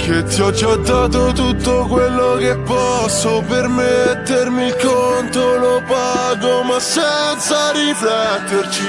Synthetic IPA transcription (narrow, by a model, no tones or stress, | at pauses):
k̟et̪ːiɔd͡ʒaɔd̪aːt̪ot̪ut̪ːokwelːok̟epːɔsːopermet̪ːermilkont̪olopaɡomasːɛnt̪saɾiflɛt̪ːert͡ʃi